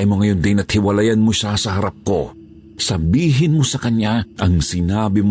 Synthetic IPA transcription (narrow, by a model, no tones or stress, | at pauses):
jmoŋɐjo̞nd̪ɪnɐt̪̚hɪwɐlajɐnmoʃasɐhɐɾap̚ko̞ | sɐbiːɦɪnmo̞sɐkɐɲaʔɐŋsɪnaːbɪm